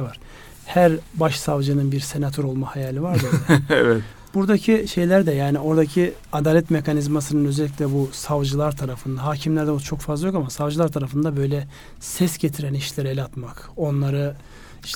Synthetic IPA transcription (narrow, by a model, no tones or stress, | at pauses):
vaɾ̥ | hæɾbaʃsavd͡ʒɯnɯnbiɾse̞nat̪ʰo̞ɾo̞lˠmahajaːlʲivaɾd̪ɯɛvɛt̪ | b̥uɾd̪acʰiʃe̞jlʲæɾd̪ɛjaːnio̞ɾd̪acʰi | ad̪aːlʲɛt̪mekʰanizmasɯnɯnø̞zɛlʲːicʲlʲɛbusavd͡ʒɯlˠaɾt̪ʰaɾafɯnd̪aɦaːcʰimlʲæɾd̪ɛot͡ʃʰo̞kfazlˠajo̞kamasavd͡ʒɯlˠaɾt̪ʰaɾafɯnd̪abø̞jlʲɛ | sɛsɟet̪ʰiɾæniʃlʲeɾelʲat̪mak | o̞nlˠaɾɯ | ʃ